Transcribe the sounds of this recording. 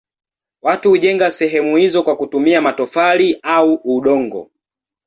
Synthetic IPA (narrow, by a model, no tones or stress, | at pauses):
watuhuʄɛŋɡasɛɦɛmuhizɔkwakutumiamatɔfaliauuɗɔŋɡɔ̰